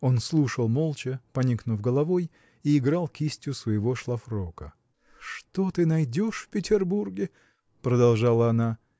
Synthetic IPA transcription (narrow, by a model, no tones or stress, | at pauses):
o̞nslˠuʂəlˠmolˠt͡ɕəpɐnʲiknʊfɡəlˠɐvoj | iɪɡɾalˠkʰʲisʲtʲʊsvəjɪvo̞ʂlˠɐfɾokə̰ | ʂt̪o̞t̪ɨnɐjdʲoʂfpʲɪtʲɪrburɡʲɪ | pɾəd̪ɐlˠʐalˠəɐna